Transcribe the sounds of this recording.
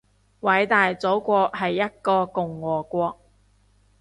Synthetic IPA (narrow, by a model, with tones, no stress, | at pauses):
wɐ˨˧˥jt̪aː˨jt͡so˨˥wkʷɔː˧k̚hɐ˨jːɐ˥t̚kɔː˧kʊ˨˩ŋːɔː˨˩kʷɔː˧k̚